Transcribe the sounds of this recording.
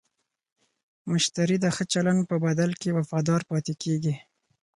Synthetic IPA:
mʊʃt̪aɾid̪əxət͡ʃaland̪̚pəbad̪alkewafɑd̪ɑɾpɑt̪ekeɡi

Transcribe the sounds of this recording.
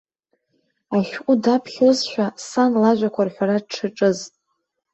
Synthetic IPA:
aʃᶣqʷʼʊdapʰχʲozʃᶣasanlaʒʷᶣakʷʰarħʷᶣaɾad̚ʈ͡ʂʰɨʈ͡ʂʼɨzʼ

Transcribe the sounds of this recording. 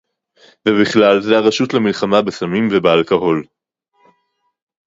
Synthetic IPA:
vebiχlalzeaʁaʃutlamilχamabesamimvebealkaɦo̞l

